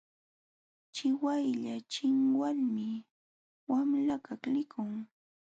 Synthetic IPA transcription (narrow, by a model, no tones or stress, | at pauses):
t͡ʃɪwajʎat͡ʃɪŋwalmɪ | wamlakaklɪkʊŋ